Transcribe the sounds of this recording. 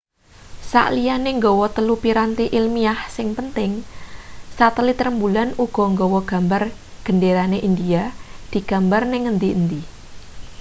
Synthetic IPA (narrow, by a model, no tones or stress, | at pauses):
sa̰ʔlijaneŋɡɔwɔt̪əlupiɾant̪iʔilmiahsɪŋpənt̪ɪŋ | sat̪əlit̪əɾəmbulanuɡ̥ɔ̤ŋɡɔwɔɡ̥a̤mbar | ɡ̥ə̤ndeɾaneʔind̪iad̪̥i̤ɡ̥a̤mbarnɪŋənt̪iənt̪i